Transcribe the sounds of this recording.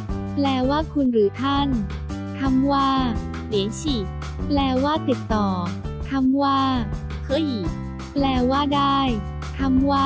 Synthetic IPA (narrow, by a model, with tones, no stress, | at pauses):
plɛː˧˩waː˥˩kʰu˧nɾɯː˩˦t̪ʰa˥˩n | t̪ʰa˧˥mwaː˥˩ | li˩˦nsi˨˩ | plɛː˧waː˥˩t̪i˨˩t̪ːɔː˨˩ | t̪ʰa˧˥mwaː˥˩ | kʰɤ˧˥˩ji˨˩ | plɛː˧waː˥˩daː˥˩j | t̪ʰa˧mwaː˥˩